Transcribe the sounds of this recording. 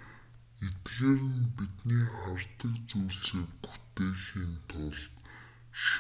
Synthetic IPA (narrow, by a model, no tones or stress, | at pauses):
et̪ɣeːɾɘ̆npit̪niːχart̪ə̆kt͡suːrseːkpu̥t̪eːxiːnt̪ʰʊɮt̪ | ʃ